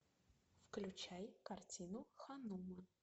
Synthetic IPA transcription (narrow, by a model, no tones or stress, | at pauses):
fklʲut͡ʃʰajkartʲʰinuxanumɐ